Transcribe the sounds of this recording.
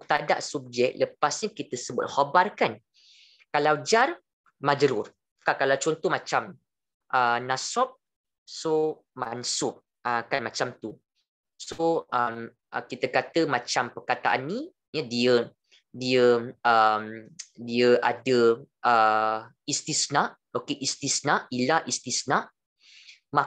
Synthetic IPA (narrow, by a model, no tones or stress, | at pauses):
t̪ada̰ʔsub̚d͡ʒɛk̚ləpasɲakit̪əsəbʊt̪̚hobarkan | kalawd͡ʒar | mãd͡ʒəɾʊr | kakalawt͡ʃɔnt̪ɔhmat͡ʃam | ʔənasɔp̚ | so | mansʊʔ̚ | əkanmat͡ʃamt̪u | soʔəm | əkit̪əkat̪əmat͡ʃampərkat̪aʔanːĩ | jədiə | diəəmdiəʔadəʔə | ist̪isənaʔ | okeʔist̪isənaʔilaʔist̪isnaʔ | ma